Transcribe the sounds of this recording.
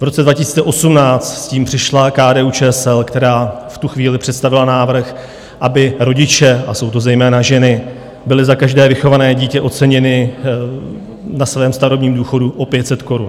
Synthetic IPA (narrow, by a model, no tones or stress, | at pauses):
vɾo̞t͡sɛdvacɪsiːt͡sɛʔo̞sumnaːt͡st̪sciːmpr̝̥ɪʃlakaːdɛːut͡ʃɛːsɛlkt̪ɛɾaːft̪uxviːlɪpr̥ɛt̪st̪avɪlanaːvr̩x | ʔabɪɾo̞ɟɪt͡ʃɛaso̞wt̪o̞zɛjmɛːnaʒɛnɪ | bɪlɪzakaʒdɛːvɪxo̞vanɛːɟiːcɛʔo̞t̪t͡sɛɲɛnɪ | nasvɛːmst̪aɾobɲiːmduːxo̞duʔo̞pjɛt̪sɛt̪ko̞ɾun